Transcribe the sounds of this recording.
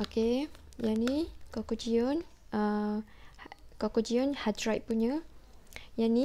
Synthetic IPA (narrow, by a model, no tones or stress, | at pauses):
oke | janikokod͡ʒionə | kokod͡ʒionhadɾajt̚puɲə | jani